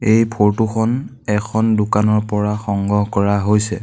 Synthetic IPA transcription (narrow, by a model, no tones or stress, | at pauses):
ejpʰoɹtuxʰɔn | ɛkʰɔndʊkanɔɹpɔɹaxɔŋɡʱɔkɔɹaɦojsɛ